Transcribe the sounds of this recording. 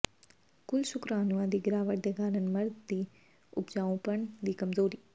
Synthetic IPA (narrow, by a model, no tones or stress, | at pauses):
kʊlʃʊkɾaːnuãːd̪iːɡɪɾaːʋəʈ̚d̪eːkaːɾənməɾd̪ːiː | ʊpd͡ʒaːõpəɳd̪iːkəmzoːɾiː